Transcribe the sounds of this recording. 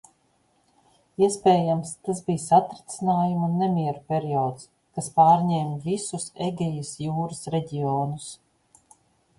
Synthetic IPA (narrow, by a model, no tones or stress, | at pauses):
iɛspʲɛːjamst̪asbijsat̪ɾit̪sinaːjumunːɛmʲiɛɾupʲɛɾiɔːt̪s | kaspaːɾɲɛːmvisuseɡʲɛjisjuːɾɐsɾɛɟʲiɔːnus